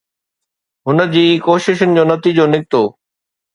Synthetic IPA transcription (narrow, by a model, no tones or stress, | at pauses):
ɦʊnə̆d͡ʑiːkoːʃɪʃʊnɪ̆d͡ʑoːnɐt̪id͡ʑoːnɪk̚t̪oː